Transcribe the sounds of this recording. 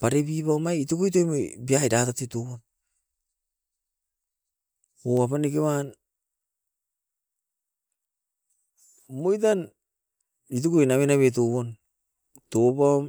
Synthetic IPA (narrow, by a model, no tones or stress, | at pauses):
paɾebibaomajitokojt̬ojmojbiajɾatatetoβon | oapanikewan | mojt̬an | it̬ukojnaβenaβet̬oβon | topam